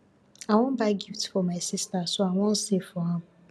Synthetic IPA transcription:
aŋʷɔm̩baɡiftfɔmajsistasɔaŋʷɔn̩sefɔaɦʊ

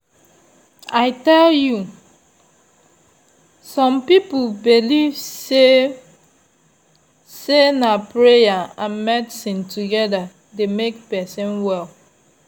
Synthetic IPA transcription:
aɪtɛlju | sɔ̃mpipulbilivse | senapɹejaãnmɛdisĩntʰuɡɛda | demekpɛsĩnwɛl

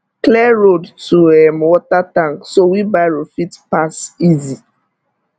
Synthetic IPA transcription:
klɛɹodtuɛmwɔtatãŋksowibaɪɹofitpasizi

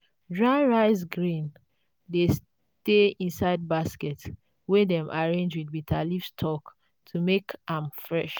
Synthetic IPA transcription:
dɹaɪɹaɪs̬ɡɹĩn | des | teĩnsaɪd̚baskɛt | wedɛ̃mʔaɹẽnd͡ʒwidbitʰalifstʰɔk | tʰumekãmfɹɛʃ

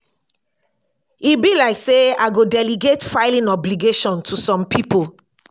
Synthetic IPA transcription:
ibilaɪkseaɪɡodɛliɡetfaɪlĩnɔbliɡeʃɔ̃ntʰusɔ̃mpʰipol

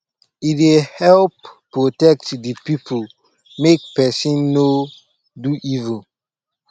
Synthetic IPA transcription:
itehɛlppːɹotɛk̚tdipipʰol | mek̚pɛsĩnːo | duʔivũn

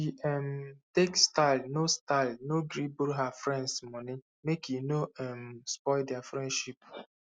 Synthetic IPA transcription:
iɛmtekstaɪlnostaɪlnoɡɾibulɦafɾɛ̃ndsmɔ̃nɪ | mekinoɛmspɔɪldɛafɾɛ̃ndʃip̚

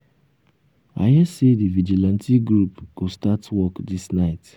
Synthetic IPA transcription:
a̰jɛsedivid͡ʒilãntiɡɾupɡ̥ostatwɔkdisnaɪt

